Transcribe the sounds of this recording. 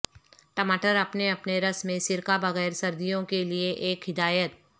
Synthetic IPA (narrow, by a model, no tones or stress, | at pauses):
ʈɐmaːʈəɾɐpneɐpneɾɐsmẽsɪɾkabɐɣɛːɾsɐɾd̪ijõkelieʔeːkɦɪd̪aːjət̪̚